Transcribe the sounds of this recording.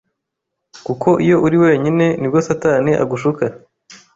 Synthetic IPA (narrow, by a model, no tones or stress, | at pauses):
kukʰo̞ʔijo̞ʔuɾiwe̞ːɲine̞nibɡosataːniʔa̰ɡuʃuka